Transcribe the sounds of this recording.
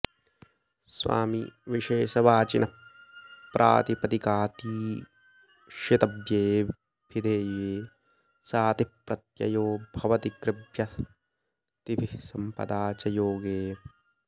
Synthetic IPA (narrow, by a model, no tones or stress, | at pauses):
sʋa̰ːmiʋiʃeːʃɐʋaːt͡ʃinɐ | pɾʔa̰ːt̪ipɐt̪ikaːt̪iː | ʃɐt̪ɐbjeː | bʱid̪ʱeːjeː | saːt̪ipɾɐt̪jɐ̰joːbʱɐʋɐt̪ikɾɪbʱjɐ | t̪ibʱisɐmpɐ̰d̪aːt͡ʃɐjoːɡeː